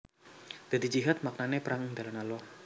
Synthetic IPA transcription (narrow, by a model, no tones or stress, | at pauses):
d̪̥ad̪id͡ʒiɦat̪̚mak̚nanepɾaŋŋd̪alanalɔ